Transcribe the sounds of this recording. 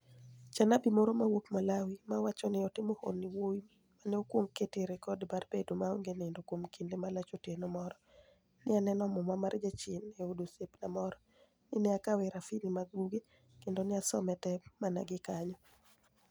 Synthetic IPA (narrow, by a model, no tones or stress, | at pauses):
t͡ʃanabimoɾomawokmalawimawat͡ʃɔnɪɔtɪmoho̰nːɪwoi | maneokwoŋketeɾekɔdbarbedomaoŋɡenendokwomkindemalat͡ʃotenɔmɔɾɔ | nɪanɛnɔmɔmamard͡ʒat͡ʃɪneodosepnamɔɾɔ | nɪnɪakawɛɾafinimaɡ̚uɡe | kendonɪasɔmɛtɛmana̰ɡɪkaɲɔ